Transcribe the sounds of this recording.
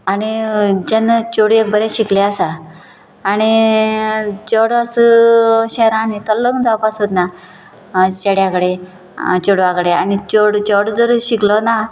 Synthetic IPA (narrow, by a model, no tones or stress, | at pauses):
añid͡ʑənːət͡ɕoɽiek̚bəɾɛ̃ɕikleasaː | ɽ̃i | t͡ɕɔɽasəɕɛɾãnit̪əlːəɡd͡zawpasot̪na | ɕeɽjãkɽe | t͡ɕoɽʋakɽea̰nit͡ɕoɽd͡ʑɔɽd͡zəɾɕiklɔna